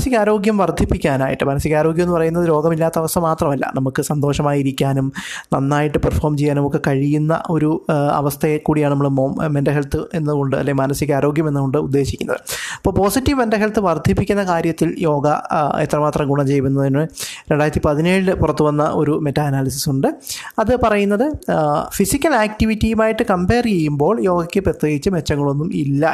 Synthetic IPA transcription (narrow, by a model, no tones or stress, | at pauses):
siɣaːɾo̞ːɡjɐmʋɐrd̪ʱipːikʲːaːnaːjiʈːɨmɐnɐsiɣaːɾo̞ːɡjmnːɨpɐrɐjunːɐðɨɾo̞ːɡɐmilːaːt̪ːɐʋɐst̪ʰɐmaːt̪rɐmɐlːɐ̰nɐmukːɨsɐnd̪o̞ːʂɐmaːjiɾikʲːaːnumnɐnːaːjiʈːɨperfoːrmt͡ɕejːaːnɐmokːekɐɻijunːɐ̰ʔo̞ɾuɐ̰ʋɐst̪ʰɐekːuːɽijaːɳɨnɐmːɐɭmoːmmendeɦelt̪ːɨe̞nːɨko̞ɳɖɨɐ̰lːejmɐnɐsiɣaːɾo̞ːɡjɐme̞nːɨko̞ɳɖɨud̪ːe̞ːɕikʲːunɐðɨɐpːoːɭpo̞ːsitːiʋmendeɦelt̪ːɨʋɐrd̪ʱipːikʲːunːɐkaːɾjɐt̪ːiljo̞ːɡɐḛt̪ːrɐmaːt̪rɐɡuɳɐmt͡ɕe̞jʋunːɐðinɨɾeɳɖaːjɾɐt̪ːipɐðine̞ːɻlɨpurɐt̪ːuʋɐnːɐʔo̞ɾume̞tːaːnaːlis̬isuɳɖɨɐðɨpɐrɐjunːɐðɨfisikʲːɐlaːk̚ʈiʋitːijumaːjiʈːɨkɐmpeːrt͡ɕ̞ejːumbo̞ːɭjo̞ːɡɐkʲːɨprɐt̪jeːɡit͡ɕːɨme̞t͡ɕːɐŋːɐɭo̞nːumilːɐ